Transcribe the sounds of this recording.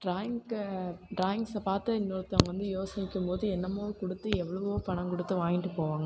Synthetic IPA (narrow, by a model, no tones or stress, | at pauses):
ʈɾaːjɪŋ | ʈɾaːjɪŋɡsɐpaːɾt̪ɯɪnːoːɾɐt̪ːɐŋɡɐʋɐnd̪ɯjoːsɐnɪkʲːɯmpoːðɯɛnːɐmoːɯkʊɽɯt̪ːɯɛʋːɐɭɐʋʋoːpɐɳɐmkɔɽɯt̪ːɯʋaːŋɪʈːɯpoːʋaːŋɡɐ